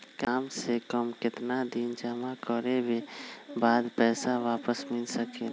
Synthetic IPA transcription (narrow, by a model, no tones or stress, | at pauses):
kaːmsekəmkɪt̪nad̪ind͡ʒəmakəɾebʱebaːd̪pɛːsaʋaːpəsmɪlsəke